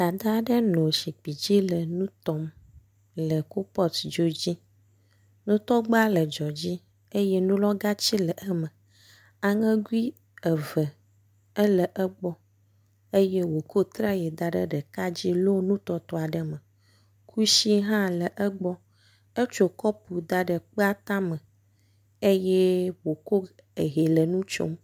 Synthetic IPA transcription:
d̪a˨d̪a˦ɖə˦nõ˨si˨k͡pi˨d͡ʑi˦lə˨nũ˦t̪ɔ˨m | lə˨ko˦pɔ˦td͡ʒo˦d͡ʑi˦ | nũ˦t̪ɔ˦ɡ͡ba˦lə˨d͡ʒɔ˨d͡ʑi˦ | e˦jɛ˦nũ˦lɔ˦ɡa˦t͡ɕi˦lə˨ʔə˦mə˨ | a˨ŋə̃˦ɡu˦i˦ | ə˨və˨ | ə˦lə˨ʔə˦ɡ͡bɔ˦ | e˦je˦wo˨ko˦t̪ɾa˦jɛ˨d̪a˨ɖə̰˨ɖə˨ka˦d͡ʑi˦lo˦nũ˦t̪ɔ˦t̪ɔ˦a˨ɖə˨mə̃˨ | kʰu˦ʃi˦ɦã˦lə˨ʔə˦ɡ͡bɔ˦ | ə˦t͡ʃo˨kɔ˦pu˨d̪a˨ɖə˨k͡pə˦a˦t̪ã˦mə̃˨ | e˦je˦wo˨ko˦ | e˨ɦe˨lə˨nũ˦t͡ʃo̰˦m

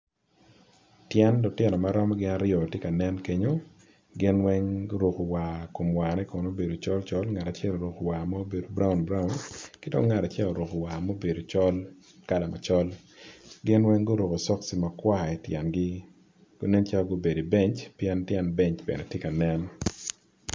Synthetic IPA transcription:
tjɛ˦ndʊ˨tɛ˨nɔ˨ma˦ɾɔ˦m˦ɡɪ˦na˦ɾɪɔ˨tje˦ka˨nɛ˦nke˦ɲo˦ | ɡɪ˦nwɛ˦ŋɡo˦ɾo˨ko˨wa˨ko˨mwa˨nɛ˦kɔ˨no˦be˨do˨t͡ʃɔ˦lt͡ʃɔ˦lŋa˨ta˨t͡ʃɛ˦lo˨ɾo˨ko˨wa˨ma˦o˦be˨do˨bɾa˦u˨nbɾa˦wnkɪ˦do̰˦ŋŋa˨ta˨t͡ʃjɛ˦o˨ɾo˨ko˨wa˨mo˦be˨do˨t͡ʃɔ˦l | ka˦la˨ma˨t͡ʃɔ˦l | ɡɪ˦nwɛ˦ŋɡo˦ɾo˨ko˨sɔ˦ksi˨ma˨kwa˦˨ɛ˨tjɛ˨nɡɪ˦ | ɡ̥o˦nɛ˦nt͡ʃa˦o˦ɡo˦be˨di˨bɛ˦ɲt͡ʃpjɛ˦ntjɛ˦nbɛ˦ɲt͡ʃbḛ˨nɛ˨tje˦ka˨nɛ˦n

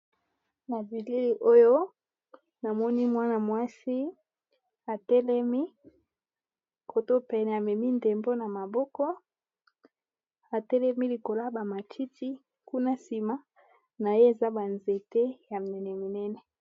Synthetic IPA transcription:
na˨bi˨li˦li˨ʔo˦jo˦ | na˨mɔ˦ni˦mwa˦na˨mwa˦si˦ | a˨tɛ˦lɛ˦mi˦ | kʰo˨to˦pɛ˨nɛ˨a˨mɛ˨mi˦nde˨mbo˦na˨ma˨bɔ˦kɔ˦ | a˨tɛ˦lɛ˦mi˦li˨ko˨la˦ba˨ma˨tʰi˦ti˦ | ku˦na˦si˨ma˦ | na˨je˦e˨za˦ba˨nze˨te˦ja˨m˨nɛ˨nɛ˨mi˨nɛ˦nɛ˨

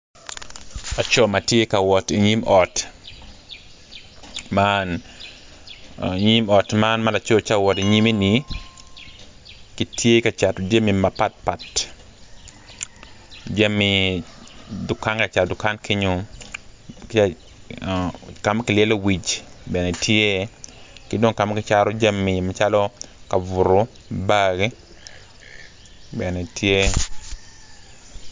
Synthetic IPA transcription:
a˨t͡ʃo˦ma˨tje˦ka˨wɔti˨ɲi˦mɔ˨t | man | ɲi˦mɔ˨tmanma˦la˨t͡ʃo˦t͡ʃa˦wɔ˨ti˨ɲi˦me˦ni˨ | ki˨tje˦ka˨t͡ʃa˨tod͡ʒe˦mima˨pa˦t̚pa˨t | d͡ʒe˦mːi | dʊ˨ka˦nka˨t͡ʃa˨tdʊ˨ka˦nkʰe˦ɲo˦ | k | ka˨m˦kɪ˨ljɛ˦lo˦wi˨t͡ʃbɛ˨nɛ˨tʰje˦kɪ˦do˦ŋka˨ma˦kɪ˨t͡ʃa˦ɾo˦d͡ʒa˦mːi˨mat͡ʃa˦lɔ˦ka˨vʊ˨ɾo˦ | baɡe˦ | bɛ˨nɛ˨tʰje˦

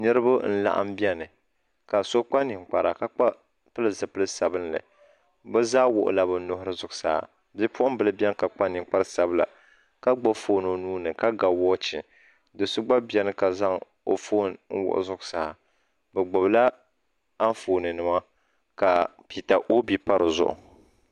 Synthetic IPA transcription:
nɨ˦ɾɨ˦ba˦n̩˦la̰˨ʔa̰˦m˦bjɛ˦nɨ˨ | ka˨so˦k͡pa˦ni˨ŋk͡pa˨ɾa˨ka˦k͡pa˦ | pɨ˦lɨ˦zɨ˨pɨ˦lɨ˦sa˨bɨ˦n˦lɨ̰˨ | bɛ˦zaː˦wʊ̰˨ʔʊ̰˨la˦bɨ˨˦nʊ˦ɦʊ˦ɾɨ˦zʊ˨ɡʊ˦sa̰˨˦a̰˨ | bi˦pʊ˦ʊ˦m˦bɨ˨lɨ˦bɛ˦n˦ka˨k͡pa˦nɪ˨k͡pa˦ɾɨ˦sa˦bla̰˨ | ka˦ɡ͡bo˦foː˨no˨nuː˦nɨ˨ka˦ɡa˨wɔː˦t͡ʃɪ̰˨ | dɨ˨sʊ˦ɡ͡ba˦bɛ˦nɨ˦ka˨za˦ŋ | o̰˨foː˦nn̩˦wʊ̰˨ʔʊ̰˨zʊ˦ɡʊ˦sa˨a˨ | bɛ˨ɡ͡bʊ˨bla˦ | a˦n˦foː˨nɨ˨nɨ˨ma˦ | ka˨pi˨ta˨ʔo˦bi˦pa˦ɾɨ˨zʊ̰˨ʔʊ̰˨

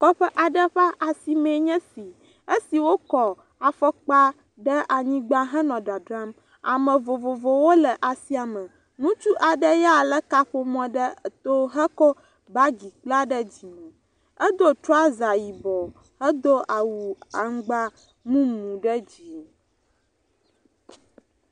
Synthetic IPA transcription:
kɔ˦ɸə˦ʔa˨ɖə˦ɸa˦ʔa˨si˨mɛ̃˨ɲɛ̃˦si˨ | ə˦si˨wo˦kɔ˨ | a˨fɔ˦k͡pa˦ | ɖə˦ʔa˨ɲĩ˦ɡ͡ba˦ɦɛ̃˦nɔ̃˨ɖa˨ɖɾa˦m | a̰˨mə̃˨vo˨vo˨vo˨wo˦lə˨ʔa˨si˦a˨mə˨ | nũ˦t͡ʃu˦ʔa˨ɖə˦ja˨lə˦ka˦ɸo˨mɔ̃˨ɖə˦˨t̪o˦ɦə˦kɔ˦ | ba˦ɡi˨k͡pla˦ɖə˦d͡ʑi˨mɛ̃˨ | ə˦d̪o˦t̪ɾɔ˦a˦za˨ji˨bɔ˨ | hə˦d̪o˦ʔa˨wu˨a˨ŋ̩˦ɡ͡ba˦ | mũ˦mũ˨ɖə˦d͡ʑi˨

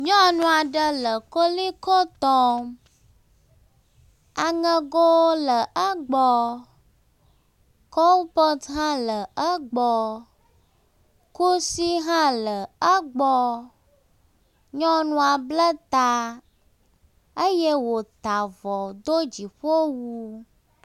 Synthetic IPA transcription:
ɲɔ̃˦nũ˦a˨ɖə˦lə˨ko˦li˦kɔ˦t̪ɔ˦ | a˨ŋə̃˦ɡo˦wo˦lə˨ʔə˦ɡ͡bɔ˦ | kɔ˦wpɔ˦t̪ɦã˦lə˨ə˦ɡ͡bɔ˦ | ku˦si˦ɦã˦lə˨ə˦ɡ͡bɔ˦ | ɲɔ̃˦nũ˦a˨blə˦t̪a˦ | ə˦jɛ˦wo˨t̪a˨vɔ˨d̪o˦d͡ʑi˨ɸo˦wu˦

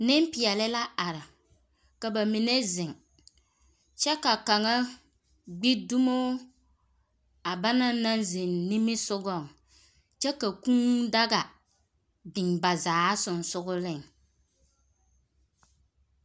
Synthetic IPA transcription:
nɪ˦mpɪ˨ɛ˨lɪ˦la˦a˨ɾɪ˨ | ka˨ba˨mɪ˨ne˦zɪ˨ŋ | t͡ʃɛ˦ka˨ka˨ŋa˦ | ɡ͡bi˦du˦mo˦ | a˨ba˦na˦na˦nzɪ˨nni˦mɪ˦sʊ˦ɡɔ˦˨ŋ | t͡ʃɛ˦ka˨kũ˦nda˦ɡa˨ | bɪ˨ŋba˨zaː˨˦sʊ˨n˨sʊ˦ɡʊ˦lɪ˦˨ŋ

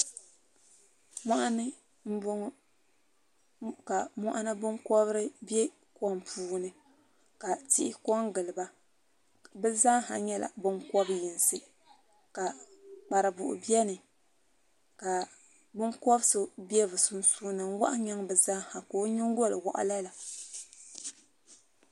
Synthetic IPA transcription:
mɔ˦ʔa˦nɨ˦ | m̩˦bʊ˦ŋ˦ | ka˨mɔ̰˦ʔa˦nɨ˦bɨ˦ŋkɔ˦βɨ˦ɾɨ˦bi˦e˦ | kɔ˦mpʰuː˦nɨ˨ | ka˨ti˦ʔɪ˦kɔ˦ŋɡɨ˨lɨ˨ba˦ | bɛ˦zaː˦ha˨ɲɛ˦la̰˨bɨ˦ŋkɔ˦bɨ˦ji˨nsɨ˦ | ka˨k͡pa˨ɾɨ˨bʊ̰˨ʔʊ̰˨bi˦ɛ˦nɨ˨ | ka˨ | bɨ˦ŋkɔ˦bɨ˦sɨ˦bi˦ɛ˦vɨ˨su˦n˦suː˦nɨ˨m˦wa̰˦ʔa˦ɲa˦ŋbɨ˨zaː˦ha˨ko˨˦ɲi˦ŋ˦ɡo˦˨lɨ˨wa̰˨ʔa̰˦la˦la˨

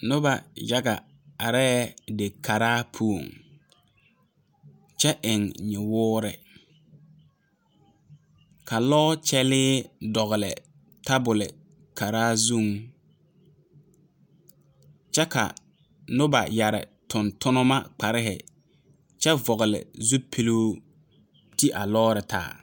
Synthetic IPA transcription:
nʊ˦ba˨ja˦ɡa̰˨ | a˨ɾɛː˦dɪ˨kʰa˨ɾaː˦pʰu˦o˨ŋ | t͡ʃɛ˦ʔɪ˨ŋɲɪ˨wʊː˦ɾɛ̰˨ | kʰa˨lɔ˦t͡ʃɛ˦lɪː˦dɔ˨ɣʊ˨lɪ̰˨ | ta˦bʊ˨lɪ˨ | kʰa˨ɾaː˦zu˦˨ŋ | t͡ʃɛ˦ka̰˨ | nʊ˦ba̰˨ja˨ɾɪ̰˨tʊ˨ntʊ˦nʊ˦ma˦k͡pa˨ɾɪ˦ɦɪ̰˨ | t͡ʃɛ˦vɔ˨ɣɪ˨lɪ̰˨zu˦pʰi˦luː˦ | ti˦ʔa̰˨lɔː˦ɾɪ˨tʰa̰ː˨˦˨

